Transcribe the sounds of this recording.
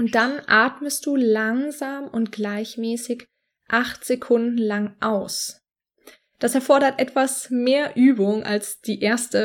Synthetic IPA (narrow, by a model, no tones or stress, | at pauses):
ʔʊnt̚d̥anʔaːɐtməst̚d̥uːlaŋzaːmʊntɡ̥laɪçmɛːsɪç | ʔaχtz̥ekʰʊndn̩laŋʔaʊs | d̥asɛɐfɔɐɾɐtʔɛtv̥asmeːɐʔyːbʊŋʔa̰lsd̥iːʔeːɐstə